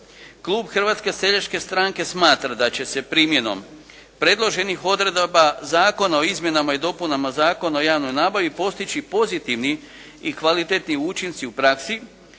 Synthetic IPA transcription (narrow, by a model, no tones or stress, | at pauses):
klˠuːbxrʋaːt̪ske̞se̞ʎat͡ʃke̞st̪ɾaŋke̞smaːt̪ɾad̪at͡ɕe̞se̞pɾiːmje̞no̞̰m | pɾe̞d̪lˠo̞ʒe̞nixo̞d̪ɾe̞d̪bazaːko̞nao̞izmje̞namaid̪o̞punamazaːko̞naojaːʋno̞jnaːbaʋipo̞st̪it͡ʃipo̞zit̪iʋni | ikʋalit̪e̞t̪niuːt͡ʃint̪siupɾaksi